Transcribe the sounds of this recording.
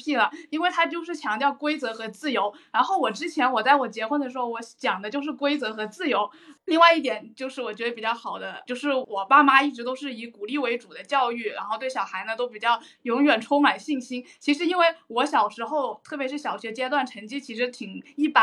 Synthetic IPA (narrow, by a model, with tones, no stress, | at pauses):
pʰi˥˩lə˩i˥nwe˥˩ɪt̪ʰa˥t͡ɕjo˥˧ʊʂɻ̩˥˩t͡ɕʰjɑ˧˥ŋt̪jɑ˥˧˩ʊkwe˥ɪt͡sɤ˧˥xɤ˧˥t͡sɹ̩˥˩jo˧˥ʊɻa˧˥nxo˥˩ʊwɔ˨˩ʈ͡ʂɻ̩˥t͡ɕʰjɛ˧˥nwɔ˨˩t͡sa˥˩wɔ˨˩t͡ɕjɛ˧˥xwə˥nd̪ə˩ʂɻ̩˧˥xo˥˧ʊwɔ˧˥t͡ɕjɑ˨˩ŋd̪ə˦t͡ɕjo˥˧ʊʂɻ̩˥˩kwe˥ɪt͡sɤ˧˥xɤ˧˥t͡sɹ̩˥˩jo˧˥ʊ | li˥˧ŋwa˥˧ɪi˥˩t̪̬jɛ˨˩nt͡ɕjo˥˧ʊʂɻ̩˥˩wɔ˨˩t͡ɕɥɛ˧˥d̪ə˧pi˨˩t͡ɕjɑ˥˩ʊxɑ˨˩ʊd̪ə˦t͡ɕjo˥˧ʊʂɻ̩˥˩wɔ˨˩pa˥ma˥i˥˩ʈ͡ʂɻ̩˧˥t̪o˥ʊʂɻ̩˥˩i˧˥ku˨˩li˥˩we˧˥ɪʈ͡ʂu˨˩d̪ə˦t͡ɕjɑ˥˧ʊy˥˩ɻa̰˧˥nxo˧t̪we˥˩ɪɕjɑ˨˩ʊxa˧˥ɪnə˧t̪o˥ʊp̬i˨˩t͡ɕjɑ˥˩ʊ | jʊ˧˥ŋɥɛ˨˩nʈ͡ʂʰʊ˥ŋma˨˩nɕi˥˩ŋɕi˥nt͡ɕʰi˧˥ʂɻ̩˧˥i˥nwe˥˩ɪwɔ˧˥ɕjɑ˨˩ʊʂɻ̩˧˥xo˥˧ʊt̪ʰɤ˥˩pjɛ˧˥ʂɻ̩˥˩ɕjɑ˨˩ʊɕɥɛ˧˥t͡ɕjɛ˥t̪̬wa˥˩nʈ͡ʂʰə˧˥ŋt͡ɕi˥˩t͡ɕʰi˧˥ʂɻ̩˧˥t̪ʰi˨˩ŋi˥˩pa˥